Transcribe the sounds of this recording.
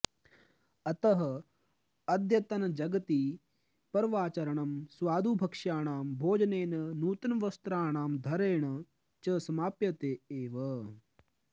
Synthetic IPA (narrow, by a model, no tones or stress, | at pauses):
ɐt̪ɐɦɐ | ɐd̪ʱjɐt̪ɐnɐd͡ʒɐɡɐt̪iː | pɐɾʋaːt͡ʃɐɾɐɳ̃ɐmsʋaːd̪ʱuːbʱɐkʂjaːɳ̃aːmbʱoːd͡ʒɐneːnɐnuːt̪ɐnʋɐst̪ɾaːɳaːmd̪ʱɐɾeːɳɐ | t͡ʃɐsɐmaːpjɐt̪eːeːʋɐ